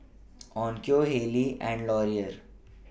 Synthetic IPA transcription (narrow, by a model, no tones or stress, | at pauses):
ɔ̃ːnkjoːɦeːliʔɛ̃ːɳɖlɔːɾiəɾ